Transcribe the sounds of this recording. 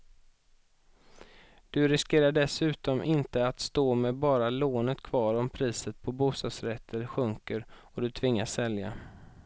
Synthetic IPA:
d̪̥ɵɾɪskeːɾaɖɛsʉ̟ːt̪ɔmʔɪnt̪əat̪st̪oːmɛbɑːɾaloːnət̪kʰvɑːɾɔmpʰɾiːsət̪̚pʰɔbuːst̪ɑːd̪sɾɛt̪ʰːəɾɧɵŋkəɾɔd̪ɵt̪ʰvɪŋːasːɛlja

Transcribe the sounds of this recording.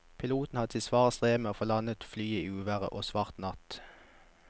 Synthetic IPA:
pʰɪluːt̪n̩hɑd̪t̪ʰɪsʋɑːʁəst̪ʁeːməoːfɔlɑnət̪flyːəiːʉːʋæʁə̰ʔoːsʋɑʁt̪nɑt̪

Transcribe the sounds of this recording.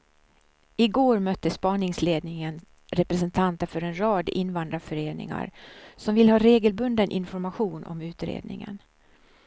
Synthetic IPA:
ɪɡoːɾmœt̪ːəspɑːnɪŋsleːd̪nɪŋən | ɾɛpɾɛs̬ɛnt̪ʰant̪əfœɾɛnɾɑːd̪ɪnːvand̪ɾafœɾeːnɪ̰ŋa̰ɾsɔmvɪlːhɑːɾeːɡəlbɵnd̪ənʔɪ̰nfɔɾmaɧuːnʔɔ̰mʉ̟ːt̪ɾḛːd̪nɪ̰ŋə̰n

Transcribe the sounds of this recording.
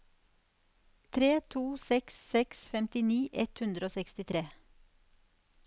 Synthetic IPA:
t̪ʰɾeːt̪ʰuːsɛkssɛksfɛmt̪ɪniːʔɛt̪hʉnd̪ɾəoːsɛkst̪ɪt̪ʰɾeː

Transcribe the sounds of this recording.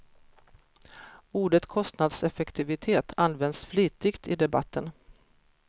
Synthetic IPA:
uːɖət̪kʰɔst̪nad̪sɛfɛkt̪ʰɪvɪt̪ʰeːt̪ʰanːvɛnd̪sfliːt̪ɪɡt̪ɪd̪ɛba̰t̪ʰːən

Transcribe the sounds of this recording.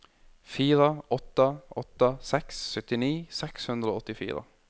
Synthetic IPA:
fiːɾəɔt̪ːəʔɔt̪ːəsɛksːœt̪ɪniːsɛkshʉnd̪ɾəoːɔt̪ːɪfḭːɾə̰

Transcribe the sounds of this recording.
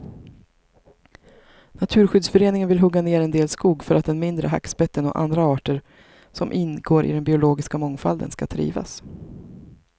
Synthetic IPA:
nat̪ʰʉ̟ːɾɧʏd̪sfœɾeːnɪŋənvɪlɦɵɡːaneːɾɛnd̪eːlskuːɡfœɾat̪̚d̪ɛnmɪnd̪ɾə̰ɦa̰kːspɛt̪ːənɔ̰ʔa̰nd̪ɾaɑːʈəɾ | sɔmʔɪnɡoːɾʔɪ̰d̪ɛnbɪʊloːɡɪskamɔŋfa̰ld̪ə̰nskat̪ʰɾḭːva̰s

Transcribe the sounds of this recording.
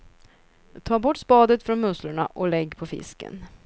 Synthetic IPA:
t̪ʰɑːɾbɔʈːspɑːd̪ət̪fɾɔnmɵslaɳa̰ʔɔlɛɡːpʰɔfɪ̰skə̰n

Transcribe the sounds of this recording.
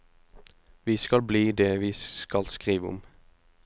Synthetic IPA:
ʋiːskɑlbliːd̪eːʋiːsskɑlskʁiːʋəʊ̰m

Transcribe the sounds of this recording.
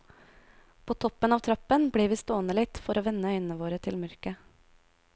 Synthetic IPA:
pʰoːt̪ʰɔpənɑːʋt̪ʰɾɑpənbɽiːʋiːst̪oːnəlɪt̪fɔɾoːʋɛnəœʏnən̩əʋoːɾət̪ʰɪlmœɾkə

